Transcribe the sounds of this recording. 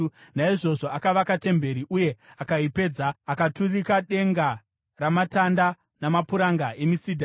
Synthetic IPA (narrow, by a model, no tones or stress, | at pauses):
naiʐo̞ʐo̞akaʋakate̞mbe̞ɾiʔuje̞akaipe̞ːd͡zaakaturikaɗe̞ŋɡa | ramatanda | namapuɾaŋɡaʔe̞misidʱa